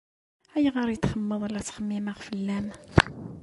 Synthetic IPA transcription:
æjʁəɾjət̪χəmːəðˤəlæt͡sːχəmːimaʁfəlːæm

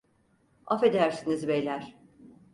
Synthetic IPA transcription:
afe̞d̪æɾsinizbejlʲæɾ̥

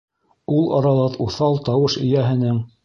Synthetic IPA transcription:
ulˠɑ̰ɾɑlˠɤðuθɑlˠt̪ɑwɤʃɘ̆jæɦɘ̆nɘŋ

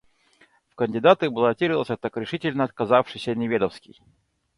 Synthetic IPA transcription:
fkənʲdʲɪd̪at̪ɨbəlˠɐtʲiɾʲɪlˠsʲət̪akɾʲɪʂɨtʲɪlʲnəɐt̪̚kɐzafʂɨjsʲənʲɪvʲed̪əfskʲɪ̰j

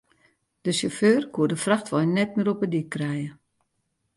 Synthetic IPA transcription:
d̥əsoføːrkʰuədəfraxtʋɔjnɛt̚mɪːɾopədikːrɛjə

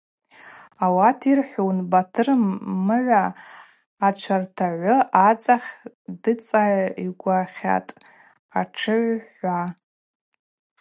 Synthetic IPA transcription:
awatʰirħʷownbatʰɨrmːɨʕʷaː | t͡ʃʷʰartʰaʕʷʊat͡sʼaχʲ | dɨt͡sʼaʕiɡʷaχʲa̰tʼ | aʈ͡ʂʰɨʕʷħʷa

